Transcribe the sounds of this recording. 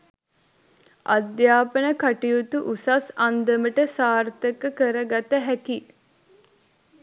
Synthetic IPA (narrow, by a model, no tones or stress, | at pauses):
ʔad̪jaːpənəkaʈijut̪uʔusasɐnd̪əməʈəsaːrt̪əkəkəɾəɡat̪əɦæki